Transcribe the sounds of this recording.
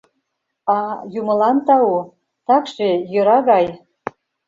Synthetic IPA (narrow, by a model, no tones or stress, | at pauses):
ɑjumɤ̆lɑnt̪ɑu | t̪ɑkʃejøɾɑɣɑj